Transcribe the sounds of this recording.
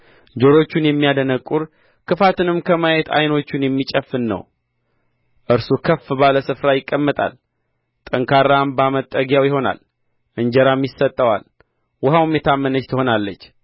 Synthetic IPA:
d͡ʒo̞ɾo̞t͡ʃːunjɛmːijad̪ənəkʼːuɾ | kʰɨfat̪ɨnɨmkʰəmajɛt̪ʰa̰jno̞t͡ʃːunjɛmːit͡ʃʼəfːɨnːə̰w | ʔɨɾsukʰəfːbaləsɨfɾajɪkʼːəmːət̪ʼa̰l | t̪ʼəŋkʰaɾːambamət̪ʼːəɡjawjɪho̞na̰l | ʔɨɲd͡ʒəɾamjɪsːət̪ʼːəwa̰l | wʊhawmjɛt̪ʰamːənət͡ʃt̪ʰɨho̞nalːət͡ʃː

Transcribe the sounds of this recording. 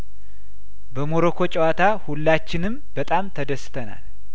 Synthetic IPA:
bəmoɾokʰo̞t͡ʃʼɛwat̪ʰahulːat͡ʃːɪnɨmbət̪ʼamt̪ʰəd̪əsɨ̥t̪ʰəna̰l

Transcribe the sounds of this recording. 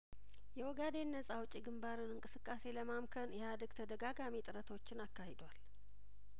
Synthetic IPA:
jɛwɔɡad̪e̞nːəsʼawʊt͡ʃʼiɡɨmbaɾɨnɨŋkʼɨsɨkʼːase̞ləmamkʰənjɛhad̪əɡt̪ʰəd̪əɡaɡamit̪ʼɨɾət̪ʰo̞t͡ʃːɪnakːahed̪wal

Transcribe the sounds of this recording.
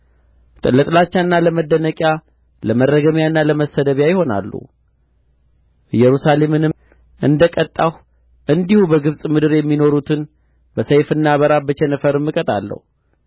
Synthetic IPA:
t̪ʼəlːət̪ʼlat͡ʃːanːaləməd̪ːənəkʼja | ləmərːəɡəmjaɨnːaləməsəd̪əβjajɪho̞na̰lːṵ | jɛɾusale̞mɨnɨ | ʔɨnd̪əkʼət̪ʼːah | ʔɨnd̪ihubəɡɨβsʼmɨd̪ɨɾjɛmːino̞ɾut̪ʰɨn | bəsejfɨnːaβəɾabət͡ʃɛnəfəɾɨmːɨkʼət̪ʼa̰lːə̰hu

